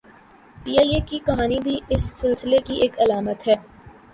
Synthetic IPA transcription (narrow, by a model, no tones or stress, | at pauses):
piːaːieːkikɐɦaːnibʱiɪsːɪlsɪlekieːkɐlaːmət̪ɦɛː